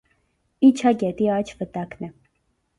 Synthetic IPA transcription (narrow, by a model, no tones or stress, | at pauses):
it͡ʃʰaɡɛt̪iat͡ʃʰvət̪aknɛ